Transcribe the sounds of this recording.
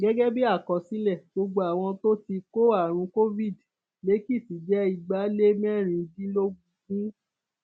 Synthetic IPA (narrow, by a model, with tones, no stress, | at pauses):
ɡɛ˦ɡɛ˦bi˦a˦˨kɔ˨si˦lɛ˦˨ɡ͡bo˧ɡ͡bo˧˦a˨w̃ɔ̃˧to˦ti˧ko˦a˦˨ɾ̃ũ˧ko˦vi˦˨d | le˨˦ki˦˨ti˨˦d͡ʒɛ˦i˧ɡ͡ba˨˦le˦mɛ̃˦˨ɾ̃ĩ˧˦dĩ˦lo˦ɡũ˧ɡũ˦